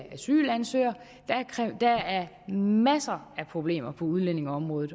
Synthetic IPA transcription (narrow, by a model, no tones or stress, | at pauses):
æsy̰ːlænsøɐ | d̥æd̥ææɐ | mæsɐæpʰʁo̝b̥le̝̰ːm̰ɐpʰɒ̽uð̞ˠlen̰e̝ŋɒɒ̽mʁɔ̽ːð̩ˠ